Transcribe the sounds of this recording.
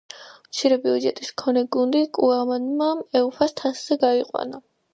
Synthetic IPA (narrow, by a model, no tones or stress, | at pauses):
mt̪sʰiɾɛbiud͡ʒɛt̪ʼiskʰɔnɛɡund̪ikʼuamanmaɛupʰast̪ʰasz̥ɛɡaiqʼwa̰na